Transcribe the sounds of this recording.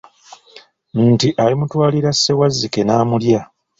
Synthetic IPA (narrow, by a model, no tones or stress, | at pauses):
ntiʔalimutwaːliɾasːe̞wazːike̞naːmulja